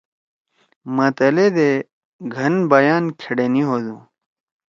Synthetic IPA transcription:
mɐt̪ɐled̪e | ɡʱɐnbɐjaːnkʰeɽeniɦoːd̪u

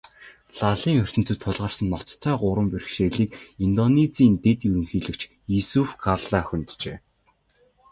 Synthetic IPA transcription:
ɮaɮiːŋɵr̥t̪ɘ̆n̥t͡sɘ̆t̪ʰːʊɮʁə̆r̥sə̆nːɔt͡st̪ʰːœːɢʊɾə̆mperxʃeːɮiːkint̪ɔnet͡siːnt̪et̪iːɵŋxiːɮɘ̆kt͡ɕ | jisufkʰaɮaːxɵnt̪t͡ɕeː

